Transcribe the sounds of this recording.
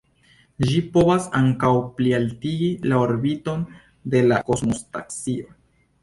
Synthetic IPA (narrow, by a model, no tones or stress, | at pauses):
ʒipovasaŋkawplialtiɡilao̞ɾbito̞n | de̞lako̞zmosta̰ksio̞